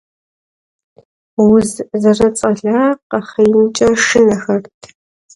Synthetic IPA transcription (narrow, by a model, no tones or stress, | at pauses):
wʊzzɐrɐt͡sʼɐɮaːqɐχɐjmt͡ʃʼɐʂɪnɐxɐrtʰ